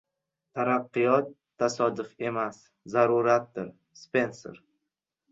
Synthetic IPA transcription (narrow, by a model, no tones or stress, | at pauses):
t̪ʰaɾaqːɨjɒt̪ʰːasɒd̪ʊfe̞mas | zaɾʊɾat̪̚d̪ɪɾ | spe̞nso̰ɾ